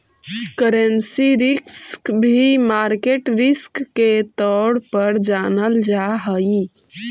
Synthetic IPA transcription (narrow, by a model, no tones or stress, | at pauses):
kəɾənsiɾiskbʱimaɾkeʈɾiskːet̪ɔɽpəɾd͡ʒanəld͡ʒaɦəj